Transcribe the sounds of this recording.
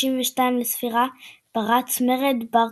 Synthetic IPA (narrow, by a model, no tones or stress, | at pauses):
imveʃtaimlesfiʁab̥aʁat͡smeʁed̪ba